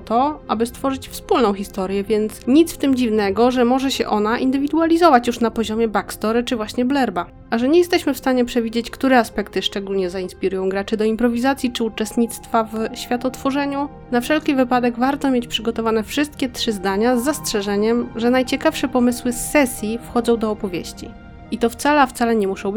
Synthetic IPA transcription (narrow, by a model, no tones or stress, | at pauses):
t̪ɔʔa̰bɘst̪fɔʐɘt͡ɕfspulnɔ̃w̃xʲist̪ɔɾjɛvʲjɛnt̪sɲit̪sft̪ɘmd͡ʑivnɛɡɔʐɛmɔʐɛɕɛ̰ʔɔnaʔḭnd̪ɘvʲid̪ualʲizɔvat͡ɕjuʂnapɔʑɔmʲjɛbakst̪ɔɾɘt͡ʂɘvwaɕɲɛblɛɾba | ʔaʐɛɲɛjɛst̪ɛɕmɘfst̪aɲɛpʂɛvʲid͡ʑet͡ɕkt̪uɾɛaspɛkt̪ɘʂt͡ʂɛɡulɲɛzainspʲiɾujɔ̃w̃ɡɾat͡ʂɘd̪ɔimpɾɔvʲizat̪sʲjit͡ʂɘut͡ʂɛst̪ɲit̪st̪favɕfʲjat̪ɔt̪fɔʐɛɲu | nafʂɛlkʲivɘpad̪ɛɡvaɾt̪ɔ̃mʲjet͡ɕpʂɘɡɔt̪ɔvanɛfʂɘst̪̚kʲɛt̪ʂɘzd̪aɲazːastʂɛʐɛɲɛmʐɛnajt͡ɕɛkafʂɛpɔmɘswɘsːɛsʲjifxɔd̪zɔ̃w̃d̪ɔːpɔvʲjḛɕt͡ɕḭ | it̪ɔft̪salɛaft̪salɛɲɛmuʂɔ̃w̃b